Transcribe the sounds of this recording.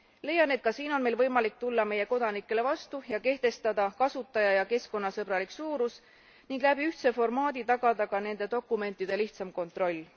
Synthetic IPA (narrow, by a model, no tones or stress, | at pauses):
le̞jɑne̞t̪̚kɑsiːno̞nme̞jlvɤjmɑlik̚t̪ulːɑme̞je̞ko̞d̪̥ɑnikːˑe̞le̞vɑst̪ujɑke̞ht̪e̞st̪ɑd̪ɑkɑsut̪ːˑɑjɑjɑke̞sko̞nːɑsɤbɾɑliksuːɾus | niŋɡ̥læb̥iyht̪se̞fo̞rmɑːd̪it̪ɑɡ̥ɑd̪ɑkɑne̞nd̪̥e̞d̪o̞kːˑume̞nt̪ːˑid̪̥e̞liçt̪sɑmko̞nt̪ˑro̞lʲː